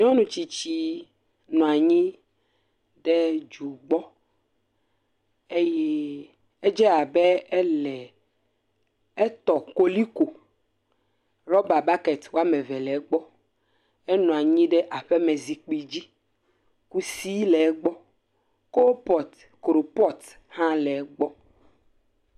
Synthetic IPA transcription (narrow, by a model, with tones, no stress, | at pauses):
ɲɔ̃˦nũ˨t͡ɕi˨t͡ɕi˨ | nũ˨a˨ɲĩ˦ | ɖe˦d͡ʒu˨ɡ͡bɔ˦ | e˦jɛ˦ | e˦d͡ʒɛ˦a˨bɛ˦ɛ˦lɛ˨ | e˦t̪ɔ˨ko˦li˦ko˨ | ɾɔ˦ba˨ba˦ke˨t̪wo˦a˦mɛ̃˨vɛ˨lɛ˨˦ɡ͡bɔ˦ | ɛ˦nɔ̃˨a˨ɲĩ˦ɖɛ˦ʔa˨ɸɛ˦me˨zi˨k͡pi˨d͡ʑi˦ | ku˦si˦lɛ˨˦ɡ͡bɔ˦ | ko˦pɔ˨t | kɾo˨pɔ˦t̪ | hã˦lɛ˨˦ɡ͡bɔ˦